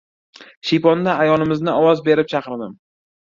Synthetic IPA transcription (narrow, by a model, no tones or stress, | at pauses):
ʃijpɒnd̪aajɒlɪmɪznɪɒwɒzbe̞ɾɪp̚t͡ʃʰɑqɨɾd̪ɪm